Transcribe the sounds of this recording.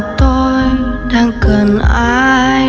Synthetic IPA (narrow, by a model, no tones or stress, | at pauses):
t̪ɔ | daŋkəna